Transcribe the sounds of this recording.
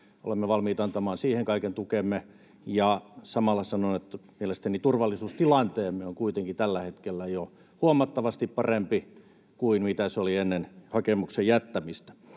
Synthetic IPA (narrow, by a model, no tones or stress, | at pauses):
o̰lemːeʋɑlmiːt̪ɑnt̪ɑmɑːnsiːheŋkɑikent̪ukemːe | jɑsɑmɑlˑːɑsɑnonet̪ːmielest̪ænit̪urʋɑlːisuːst̪ilɑnt̪eːmːeoŋkuit̪eŋkit̪ælːæhet̪kelːæjo | huomɑt̪ːɑʋɑst̪ippɑrempi | kuinmit̪æsolienːenhɑkemuksejjæt̪ːæmist̪æ̥